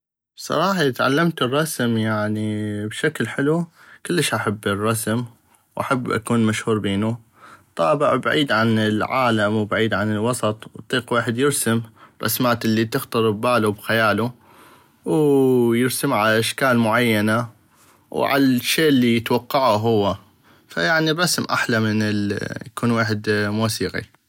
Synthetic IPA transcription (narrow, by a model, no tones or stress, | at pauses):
bsˤɑ̰ɾˤɑːħɑt̪ʕa̰lːamt̪ɨrˤːɑsmjaʕnibʃaklħɪlu | kɪlːəʃʔaħabːɪrˤːɑsm | wʔa̰ħabːʔa̰kuːnmaʃhuːɾbeːnu | t̪ˤɑːbɪʕbaʕiːd̪ʕanɪlʕa̰ːlamwbaʕiːd̪ʕanɪlwɑsˤɑt̪ˤwt̪ˤːiːqweːħɪd̪jɪɾsɪmrˤʔɑ̰smaːt̪ɪlːit̪ɪxt̪ɨɾˤbaːlubxajaːlu | wjɪɾsɪmʕalaʔaʃkaːlmʊʕajːana | wʕa̰lʃːeːʔlːijɪt̪wɑqːɑʕaɦʊwːa | fa̰jaʕnirˤːɑsmʔa̰ħlamɪnɪljakuːnweːħɪd̪muːsiːqḭ